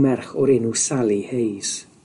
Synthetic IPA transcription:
mɛrχɔɾɪnusalˠihejs

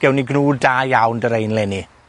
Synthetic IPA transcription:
ɛwniɡnuːdaːjawndəɾejnlɛni

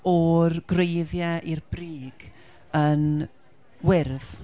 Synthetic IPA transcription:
ɔrɡ̥rejðjɛʔirb̥riːɡ̥ | ən | wɪrð

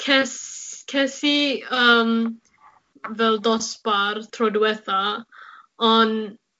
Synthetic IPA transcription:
kʰɛskʰɛsiəːm | vɛlˠdɔspartʰrɔdwɛθa | ɔn

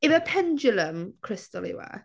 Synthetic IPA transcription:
ɪməpʰɛnd͡ʒələmkʰɹ̥ɪstəlḭwɛ̰

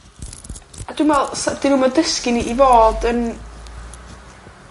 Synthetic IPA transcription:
aduːnvɛlˠsad̥ɪnuːmɛdəskɪniʔivoːd̥ən

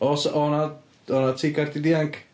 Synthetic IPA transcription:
ɔsɔna | ɔnatʰiːɡardidiaŋkʰ

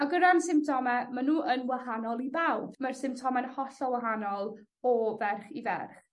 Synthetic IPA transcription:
aɡədansɪmp̚tʰɔmɛmanuːənwahanɔlˠibawb̥marsɪmp̚tʰɔmɛnhɔɬɔwaɦanɔlˠ | ɔvɛrχivɛ̰rχ

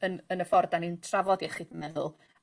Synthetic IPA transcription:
ənənəfɔrdanintʰravɔdiɛχiːdəmɛðʊlˠ

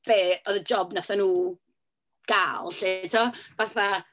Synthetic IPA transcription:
b̥eːɔðəd͡ʒɔbnaθanuː | ɡ̥aːlˠɬetʰɔvaθa

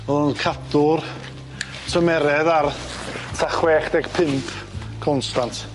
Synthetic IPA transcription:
mɛlˠʊnkʰadʊr | tʰəmɛɾɛðar | tʰaχwɛχd̥ɛɡpʰɪmpʰ | kʰɔnstantʰ

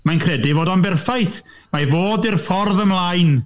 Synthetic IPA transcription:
majnkʰrɛdɪvoːdɔnbɛrfajθ | mavoːdirfɔrðəmlˠajn

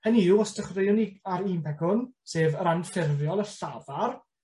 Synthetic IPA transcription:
həniuɔsdəχrejʊniaɾiːmbɛɡʊnseːvəɾanfɪrjɔlˠəɬavar

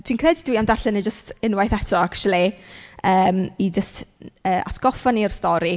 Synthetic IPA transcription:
tʰwinkʰreːdid̥wiːamdarɬɪnid͡ʒəstɪnwajθɛtʰɔakʃɔlˠiəːmid͡ʒəstəːʔa̰tʰɡ̥ɔfɔniɔr̥stɔɾi

